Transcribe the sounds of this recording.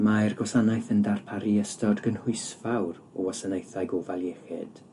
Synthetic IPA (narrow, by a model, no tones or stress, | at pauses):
marɡɔsanajθəndarpʰaɾiəstɔdɡənhʊɨsvawɾ | ɔɔsanejθajɡɔvaljeχɨ̰d̥